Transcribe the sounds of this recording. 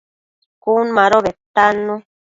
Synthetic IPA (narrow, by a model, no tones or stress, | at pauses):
kunmãɾoβet̪anũ